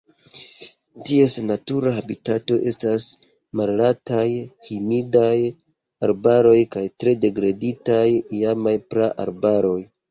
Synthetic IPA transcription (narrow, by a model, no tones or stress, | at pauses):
tie̞snatuɾaɦabitato̞ʔe̞stas | mallatajhimidaj | aɾbaɾo̞jkajtɾe̞de̞ɡɾaditajjamajpɾaʔa̰ɾbaɾo̞j